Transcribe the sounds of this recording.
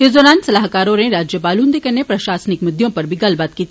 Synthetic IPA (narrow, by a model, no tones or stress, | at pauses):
ed̪ɔːɾaːnsɐlaːɦkaːɾõnẽɾaːd͡ʒjəpaːlũnd̪ekɐnepɾɐʃaːsnɪkmʊd̪jõpɐɾbʱiɡɐlbat̪kiːt̪ʰ